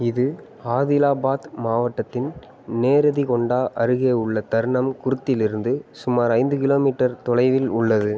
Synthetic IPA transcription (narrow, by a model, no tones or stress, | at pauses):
ɪðɯ | aːðɪlaːbaːt̪maːʋɐʈːɐt̪ːɪn | neːɾɐðikɔɳɖaːʔɐɾɯɣeːʊɭːɐt̪ɐɾɳɐmkʊɾɯt̪ːɪlɪɾɯnd̪ɯsʊmaːɾɐɪnd̪ɯkɪloːmiːʈːɐɾt̪ɔɭɐɪʋɪlʊɭːɐðɯ